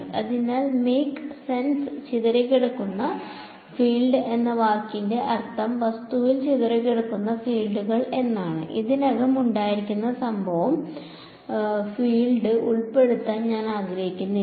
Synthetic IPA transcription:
ɐ̰ðinaːlmeːksenst͡ɕiðɐɾekʲːeɽukːunːɐ | fiːlɖɨʔe̞nːɐʋaːrkinde̞ʔɐrt̪ʰːɐmʋɐst̪uʋilt͡ɕiðɐɾekːeɽukːunːɐfiːlɖuɣɐɭe̞nːaːɳɨ̰ʔiðinɐɣɐmuɳɖaːjiɾikʲːunːɐsɐmbʱɐʋɐm | fiːɭɖɨʔuɭpe̞ɽut̪ːaːnɲaːnaːɡɾɐɦikʲːunːi

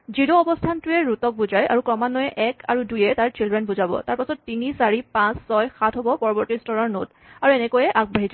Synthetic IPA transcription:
zidɔɔbɔstʰantuɛɹutɔk̚buzajʔa̰ɹukɹɔmanɔjɛʔɛkʰaɹudujɛtaɹt͡ʃildɹɛnbuzabɔ̰taɹpasɔtːinisaɹipãsːɔjxatʰɦobɔpɔɹɔbɔɹtistɔɹɔɹno̰t | aɹuɛnɛkojɛʔak̚baɦiza

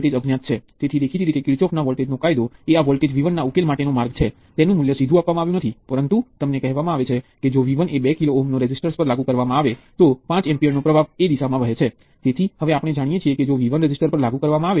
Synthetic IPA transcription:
lʈed͡ʒəɡnjat̪̚t͡ʃʰet̪et̪ʰid̪ekʰiɾiɾit̪ekiɾt͡ʃɔfʰnaʋɔlʈed͡ʒnokajd̪oeaʋɔlʈed͡ʒʋiʋənːaukelmaʈenomaɾɡt͡ʃʰe | t̪enũmuljəsid̪ʱũapʋamãaʋjũnət̪ʰipəɾənt̪ut̪əmnekɛɦʋamãaʋet͡ʃʰeked͡ʒoʋiʋənebɛkiloːɦmnoɾɛd͡ʒisʈəɾspəɾlaɡũkəɾʋamãaʋet̪opãt͡ʃɛmpieɾnopɾəbʱaʋed̪isamãʋəɦet͡ʃʰe | t̪et̪ʰihəʋeapəɽ̃ed͡ʒaɽ̃ijet͡ʃʰieked͡ʒoʋiʋənɾɛd͡ʒisʈəɾpəɾlaɡũkəɾʋamãaʋe

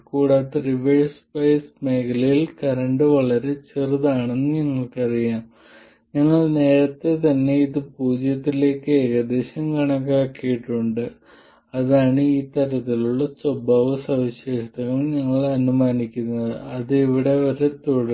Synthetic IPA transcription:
kuːɽaːt̪ːeriʋeɻspɐjsme̞ːkʰɐlɐjilkɐɾɐɳɖɨʋɐɭɐɾe̞t͡ɕerɨðaːɳe̞nːɨɲɐŋːɐɭkɐrijaːm | ɲɐŋːɐɭne̞ːɾɐt̪ːe̞t̪ɐnːe̞iðɨpuːd͡ʑjɐt̪ːile̞ːkːɨeɣɐd̪e̞ːɕɐmkɐɳɐkːaːkːijiʈːuɳɖɨ | ɐðaːɳɨiːt̪ɐɾɐt̪ːiluɭːɐswɐbaːʋɐsɐʋiɕe̞ːʂɐt̪ɐɣɐmɲɐŋːɐɭɐnumaːnikʲːunːɐðɨ̰ɐðɨiʋiɽe̞oɾe̞t̪oɽɐ

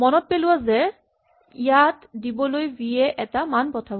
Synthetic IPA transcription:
mɔnɔt̚peluwazɛ | ijatdibɔlojbiɛʔɛtamanpɔtʰab

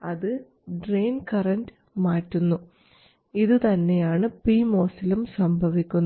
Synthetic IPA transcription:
ɐðɨ | ɖreːnkɐrɐndɨ | maːtːunːu | iðɨt̪ɐnːe̞jaːɳɨpiːmo̞ːsilumsɐmbʱɐʋikʲːunː

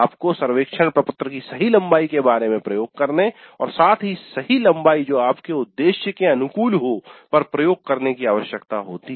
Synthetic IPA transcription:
aːpkosɐɾʋeːkʃʰəɳ̃pɾɐpʊt̪ɾəkisɐɦilɐ̃mbaːikebaːɾemẽpɾɐjoːɡ̚kɐɾneɔːɾsaːt̪ʰɦisɐɦilɐ̃mbaːid͡ʒoːaːpkeʊd̪ːeːʃjəkeɐnʊkuːlɦopɐɾpɾɐjoːɡ̚kɐɾnekiaːʋəʃjəkt̪aɦoːt̪i

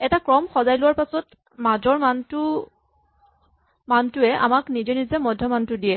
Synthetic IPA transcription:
ɛtakɹɔmxɔzajlʊwaɹpasɔt | mad͡ʒɔɹmantʊ | mantʊɛa̰maknid͡ʒɔnizɛmɔdʱːjɔmantʊdijɛ

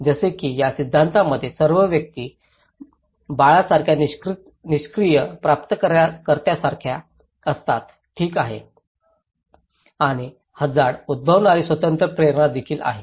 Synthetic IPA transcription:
d͡zəsekiːjasid̪ʱːant̪aməd̪ʱːjesəɾʋəʋjək̚t̪iː | baɭasaɾkʰjaniɾt̪ | niɕkɾijəpɾap̚t̪əkəɾakəɾt̪jasaɾkʰja | əst̪at̪ | ʈʰiːkaɦḛ | aɽ̃i | həd͡zaɾud̪̚bʱəʋɳaɾiːsʋət̪ənt̪ɾəpɾeɾɳad̪ekʰiːla̰ɦe

